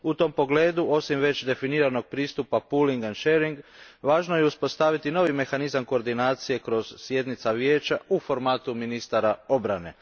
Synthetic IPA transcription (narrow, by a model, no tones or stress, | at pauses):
ut̪o̞mpo̞ɡle̞ːd̪uo̞simʋe̞t͡ɕd̪e̞finiːɾano̞ɡ̚pɾiːst̪upapuːliŋɡanʃeːɾiŋɡʋaːʒno̞jeuspo̞st̪aʋit̪ino̞ʋime̞xanizamko̞ɾd̪inaːt̪sije̞kɾo̞z̥sje̞d̪nit̪saʋje̞ːt͡ʃaufo̞ɾmaːt̪uminist̪aɾao̞bɾane̞̰